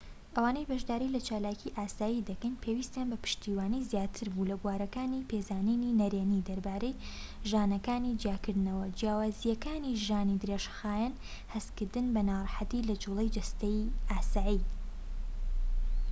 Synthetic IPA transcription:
ʔɐwaːnejbɐʒd̪aːɾilɐt͡ʃaːlaːcʰiʔaːsaːjid̪ɐkɐnpʰewist̪janbɐpɨ̥ʃt̪iːwaːnizjaːt̪ʰɨɾbulɐɡwaːɾɐkaːnipʰezaːnininɐɾeːnid̪ɐɾbaːɾejʒaːnɐkaːnid͡ʒjaːkɨɾd̪ɨnɐwɐd͡ʒjaːwaːzijɐkaːniʒaːnid̪ɾeʃxaːjan | hɐst̪kɨɾd̪ɨnbɐnaːɾˤħat̪ilɐd͡ʒulˠejd͡ʒɐst̪ejʔaːsaːi

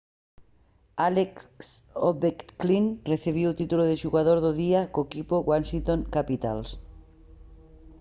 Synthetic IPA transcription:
aleksoβekkliŋreθiβ̞iwt̪it̪uloðeʃuɣaðoɾðʊðiakoekipoɣwansint̪oŋkapit̪als

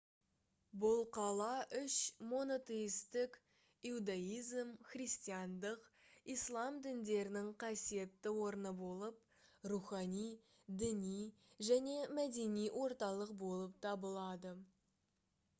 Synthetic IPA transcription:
bʊlˠqʰɑlˠɑʔʏʃmo̞not̪ejist̪ɪk | iud̪ɑijzmχrijst̪ijɑnd̪əqijslˠɑmd̪ɪnd̪e̞ɾɪnɪŋqʰɑsije̞t̪ːɪwo̞ɾənəbo̞lˠəp̚ | ruχɑnij | d̪ɪnijʒæne̞mæd̪e̞nijwʔo̞ɾt̪ɑlˠəqbo̞lˠəp̚t̪ʰɑbəlˠɑd̪ə

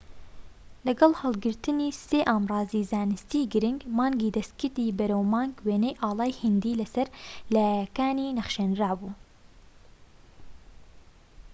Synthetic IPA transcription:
lɛɡɑlhɑlˠɡɨɾt̪ɨniːseːʔaːmrɑːziːzaːnɨst̪iːɡɨɾɪŋɡmɑːŋɡiːd̪ɛst̪kɨɾt̪iːbɛɾɛwmɑːŋɡweːnɛjʔɑːlˠɑːjhɨnd̪iːlɛsɛɾlɛjɛkaːniːnɛχʃɛnraːbuː

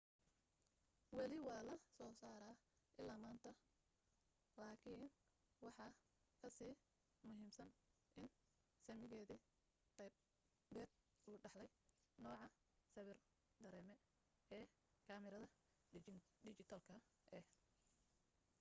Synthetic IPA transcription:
wɑlɪwɑːlɐsɔːsaːɾaːʔɪlːaːmaːnt̪ʰɐ | laːkʰiːn | wɑħɑ | kʰɐsiː | mʊɦiːmsɐn | ʔɪn | sɐmɪɣɛːði | qɛjb | bɛːd̪̚ | uːɖɑħlɛj | nɔːʕɑ | sɐβɪr | d̪ɐɾɛːmɛ | ɛː | kʰɐːmɪɾɐðɐ | ɖɪt͡ʃɪt̪ʰɐlkʰɐ | ʔɛh

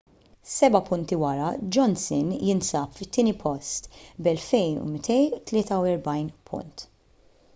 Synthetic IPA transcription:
sɛbɐpʊnt̪iwɐɾɐd͡ʒɔnsɪnjɪnsɐːpfɪt̪ːɪːnipʰɔst̪bɛlfɛjnṵmɪt̪ɛjut̪lɪːt̪ɐwɛɾbɐjnpʰʊ̰nt̪

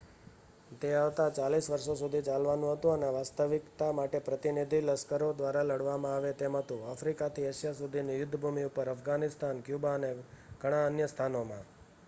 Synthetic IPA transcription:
t̪eaʋt̪at͡ʃalisʋəɾʃosud̪ʱit͡ʃalʋanũɦət̪ũəneʋast̪əʋɪkt̪amaʈepɾət̪inid̪ʱiləskəɾod̪ʋaɾaləɽʋamãaʋet̪emɦət̪ũafɾikat̪ʰieʃjasud̪ʱinijʊd̪ʱːbʱumiupəɾəfʰɡanɪst̪ʰankjubaənekəɽ̃aənjəst̪ʰanomã

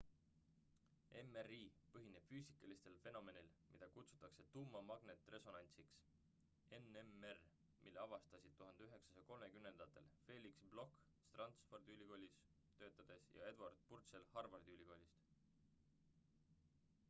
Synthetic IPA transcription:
e̞meriːpɤɦine̞b̥fyːsi̥kːˑɑlist̪e̞lfe̞no̞me̞nilmid̪̥ɑkut̪su̥t̪ːˑɑkse̞t̪umːɑmɑɡ̥ne̞t̪ːˑre̞so̞nɑnʲt̪siks | e̞nemer | mʔḭlːeɑvɑst̪ɑsid̪̚t̪uɦɑnd̪e̞yɦe̞ksɑ̥sɑko̞lme̞kymne̞nd̪̥ɑt̪ːˑe̞̰lfe̞ːlʲiksblo̞kː | t̪rɑnt̪spo̞rd̪̥iylʲiko̞ːlʲis | t̪ø̞ːt̪ːˑɑd̪̥e̞sjɑ̰e̞d̪vɑrd̪̥̚purt̪se̞lhɑrvɑrd̪̥iylʲiko̞lʲist̪

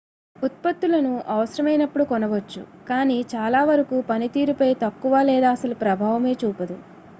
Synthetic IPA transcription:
ut̪̚pɐt̪ːulɐnuʔɐʋɐsɐɾɐmɐjnɐpːuɽukɔnɐʋɐt͡ʃːṵkaːniːt͡ʃaːlaːʋɐɾɐkuːpɐnit̪iːɾupɐjt̪ɐkːuʋaːlɛːd̪aːɐsɐlupɾɐbʱaːʋɐme̞ːt͡ʃuːpɐd̪u

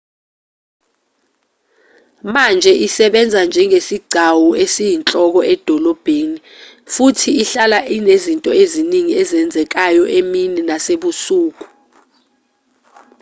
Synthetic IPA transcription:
mand͡ʒʱɛʔisɛɓɛnd͡zʱand͡ʒʱɛŋesiɡ͡ǀʱawuesijint͡ɬʼɔk̬ɔʔɛd̥ʱɔlɔb̥ʱeni | futʰiːɬalaʔinezintʼɔeziniŋiɛzɛnd͡zʱɛk̬ajɔʔemininaseɓusuːk̬u̥

